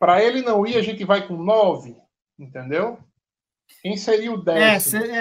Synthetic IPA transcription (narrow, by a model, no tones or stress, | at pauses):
pɾɐelɪnɐ̃w̃iɐʒẽnt̪ɪvajkõnɔvɪ | ĩnt̪ẽnd̪ew | kẽj̃seɾiʊd̪ɛs